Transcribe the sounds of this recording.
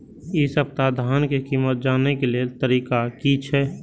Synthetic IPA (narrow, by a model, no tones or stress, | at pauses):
isəp̚t̪aːd̪ʱaːnkekiːmət̪̚d͡ʒaːnekeliet̪əɾiːkakit͡ʃʰɛː